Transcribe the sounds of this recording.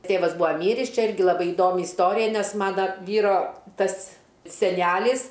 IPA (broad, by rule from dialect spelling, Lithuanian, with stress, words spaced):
ˈtʲeːʋɐs ˈbʊɐ ˈmʲiːrʲɪs ˈt͡ʃʲɛ ˈɪrʲɡʲɪ lˠɐˈbɐɪ ɪˈdoːmʲɪ ɪsˈtoːrʲɪjɛ ˈnʲɛs ˈmɑːnɐ ˈʋʲiːroː ˈtɐs sʲɛˈnʲæːlʲɪs